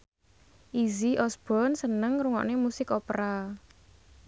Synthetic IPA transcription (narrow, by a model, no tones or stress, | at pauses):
ʔiziʔɔsb̥ɔnsənəŋɾuŋɔ̰ʔnemusɪkɔpɾa